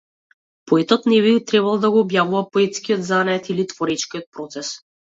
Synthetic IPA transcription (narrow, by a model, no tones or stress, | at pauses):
pɔɛt̪ɔt̪nɛβit̪ɾɛβalˠd̪aɡɔːbjavuvapɔɛt̪skijɔd̪zanaɛt̪ilit̪vɔɾɛt͡ʃkiɔt̪̚pɾɔt̪sɛs